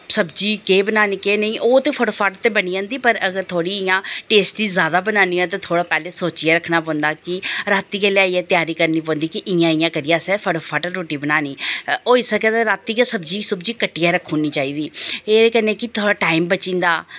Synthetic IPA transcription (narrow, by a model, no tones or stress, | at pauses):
səbd͡ʒiːkeːbənaːniːkeːnəĩːʔoːt̪eːpʰəɽoːpʰaːʈt̪eːbəniːãːnd̪iːpəɾəɡəɾt̪ʰoːɽiːɪjãːʈeːsʈiːzjaːd̪aːbənãːniːɛ̃ːt̪̬ãːt̪ʰoːɽaːpɛːleːsoːt͡ʃiɛːɾəkʰːnaːp̬ɔ̃ːnd̪aːkɪɾaːt̪ːiːkɛːleaːiːɛːt̪ɪjaːɾiːkəɾniːp̬ɔ̃ːnd̪iːkɪʔɪjãːɪjãːkəɾɪjãːsɛːpʰəɽopʰaːʈəɾoːʈiːbənaːniːoːɪsəkɛeɾaːt̪ːiːkesəbd͡ʒiːsəbd͡ʒiːkəʈːiːaːɾəkʰːõːniːt͡ʃaːiːd̪iːeːeːkəneːkɪt̪ʰoːɽaːʈaːimbət͡ʃɪ̃ːnd̪aː